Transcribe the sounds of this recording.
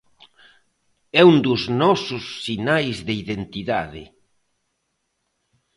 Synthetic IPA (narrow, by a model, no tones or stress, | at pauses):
ɛund̪ʊznɔsʊsːinajzðeiðent̪iða̰ðɪ̰